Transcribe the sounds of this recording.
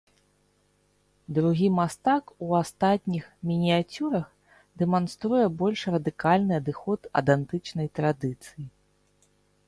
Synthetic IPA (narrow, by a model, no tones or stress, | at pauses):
d̪ɾuɣʲimast̪akuast̪at̪ʲnʲixmʲinʲiat͡sʲuɾɐx | d̪ɛmanst̪ɾujɛbɔlʲʂrɐd̪ɨkalʲnɨɐd̪ɨxɔt̪ɐ̰d̪ant̪ɨt͡ʂnɐjt̪ɾad̪ɨt̪sɨji